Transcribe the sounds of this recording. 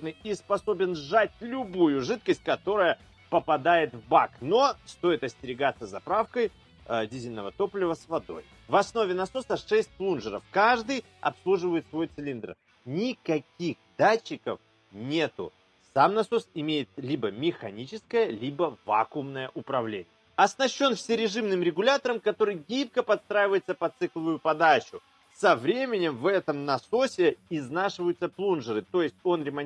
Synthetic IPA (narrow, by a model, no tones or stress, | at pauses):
nɨjispɐso̞bʲɪnʐat̚ʲlʲʊbujʊʐɨt̪̚kəsʲt̚ʲkɐt̪o̞ɾəjə | pəpɐd̪ajɪt̪vbakno̞st̪o̞ɪt̪ɐsʲtʲɪɾʲɪɡat̪sːəzɐpɾafkəj | dʲizʲɪlʲnəvət̪o̞plʲɪvəsvɐd̪o̞̰j | vɐsno̞vʲɪnɐso̞səʂɛsʲt̚ʲplˠunʐɨɾəfkaʐd̪ɨj | ɐ̰pslˠuʐɨvəjɪt̪svo̞jt̪sʲɪlʲind̪r̩ | nʲɪkɐkʲixd̪at͡ɕːɪkəf | nʲe̞t̪ʊ̰ | samnɐso̞sɪmʲejɪt̪̚lʲibəmʲɪxɐnʲit͡ɕɪskəjəlʲibəva̰kʊmnəjəʔʊpɾɐvlʲḛnʲɪjəɐsnɐɕːo̞nfsʲɪɾʲɪʐɨmnɨmɾʲɪɡʊlʲat̪əɾəmkɐt̪o̞ɾɨjɡʲip̚kəpɐt̪st̪ɾajɪvəjɪt̪səpɐt̪sɨklˠəvʊjʊpɐd̪at͡ɕʊ | sɐvɾʲemʲɪnʲɪmvɛt̪əmnɐso̞sʲɪɪznaʂɨvəjʊt̪səplˠunʐɨɾɨt̪o̞jɪsʲtʲo̞nɾʲɪmɐnʲ